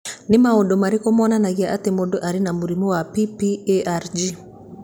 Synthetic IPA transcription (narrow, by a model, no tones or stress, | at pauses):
nɪmaɔdɔmaɾikɔmɔnanaɣiaʔatemodɔʔaɾinamuɾimɔwapipieaɾd͡ʒi